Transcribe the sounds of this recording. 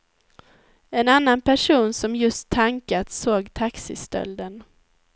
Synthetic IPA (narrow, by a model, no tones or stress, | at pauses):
ɛnanːanpʰæʂuːnsɔmjɵst̪ʰːaŋkat̪soːɡt̪ʰaksɪst̪œ̰ld̪ən